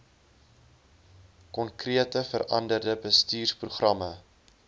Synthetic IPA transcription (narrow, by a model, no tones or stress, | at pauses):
kɔnkriətəfəɾʔɐ̰ndərdəbəstiːrspruχrɐmə